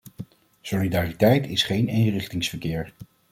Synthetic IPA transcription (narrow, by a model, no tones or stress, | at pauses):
solidaːritɛjtɪsχejnejŋrɪχtɪŋsfəɹkɪːɹ